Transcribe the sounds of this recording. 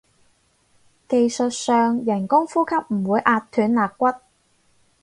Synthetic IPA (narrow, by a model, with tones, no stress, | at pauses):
ke˧jsɵ˨t̚sœː˨˧ŋjɐ˨˩nkʊ˥ŋfuː˥kʰɐ˥p̚m̩˨˩wuː˨˧˥jʔaː˧tt̪ʰyː˨˥nlaː˨kkːʷɐ˥t̚